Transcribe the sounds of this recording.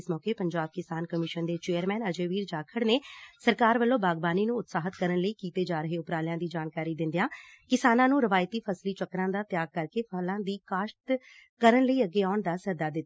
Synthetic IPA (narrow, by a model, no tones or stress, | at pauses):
smɔːkeːpəɲd͡ʒaːb̚kɪsaːnkəmɪʃənd̪eːt͡ʃeːəɾmɛːnəd͡ʒeːʋiːɾd͡ʒaːkʰəɽneːsəɾkaːɾʋəlːõːbaːɡbaːniːnũːʊt̪saːɦət̪kəɾənləiːkiːt̪eːd͡ʒaːɾəɦeːʊpɾaːlɪjãːd̪iːd͡ʒaːnkaːɾiːd̪ɪ̃nd̪ijãː | kɪsaːnãːnũːɾəʋaːjt̪iːpʰəsliːt͡ʃəkɾãːd̪aːt̪jaːɡ̚kəɾkeːpʰəlãːd̪iːkaːʃʈ̪ | kəɾənləiːəɡːeːaːʊɳd̪aːsəɦəd̪aːd̪ɪt̪ː